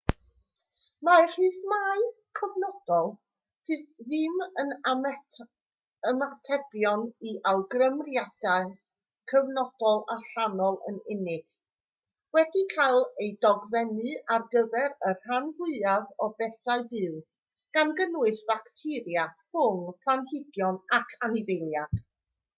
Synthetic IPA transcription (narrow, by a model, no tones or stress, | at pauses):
mar̥ɨːθmaɨ | kʰəvnɔd̥ɔlˠ | tʰɨːθðɪmən | əmatʰɛb̥jɔniʔawɡrəmrjad̥aɨ | kʰəvnɔd̥ɔlˠaɬanɔlˠə̰nɪnɪɡ̥ | wɛdikʰajlˠejdɔɡvɛnɨarɡəvɛɾərhanvɪaðɔbɛθaɨbɨw | ɡ̥anɡənwɨθv̥aktʰɪɾjafʊŋpʰlˠanhɪɡjɔnakʰanɪvejlˠjad̥